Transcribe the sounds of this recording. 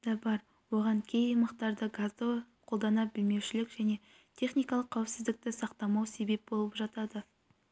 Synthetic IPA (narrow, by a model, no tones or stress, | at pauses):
d̪ɑbɑɾ | wo̞ʁɑŋkʲʰejijmɑqt̪ɑɾd̪əɡazd̪əqʰo̞lˠd̪ɑnɑbɪlme̞wʃɪlɪkʒæne̞ | t̪ʲʰe̞χnijkɑlˠəqʰːɑwɪpsɪzd̪ɪk̚t̪ɪsɑqt̪ɑmɑwse̞be̞p̚bo̞lˠəpʒɑt̪ɑd̪ə